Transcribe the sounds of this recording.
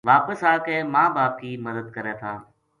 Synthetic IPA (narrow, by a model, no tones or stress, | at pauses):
ʋaːpəsaːkẽːmãːbaːp̚kiːməd̪əd̪̚kəɾɛːt̪ʰaː